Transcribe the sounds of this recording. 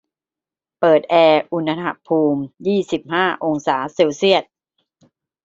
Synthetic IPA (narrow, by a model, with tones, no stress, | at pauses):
pɤː˨˩t̪̚ʔɛː˧ʔu˧na˧ɦa̰˧pʰuː˧mjiː˥˩si˨˩p̚haː˥˩ʔo˧ŋsaː˩˦seː˧wsi˥˩ət̪̚